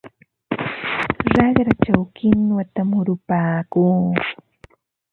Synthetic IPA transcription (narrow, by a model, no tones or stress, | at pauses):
ɾaɢɾat͡ʃawkɪnwat̪amʊɾʊpaːkuː